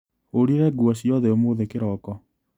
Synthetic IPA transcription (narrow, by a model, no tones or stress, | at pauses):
oɾiɾɛɡuaɕjɔðɛomoːðekeɾɔkɔ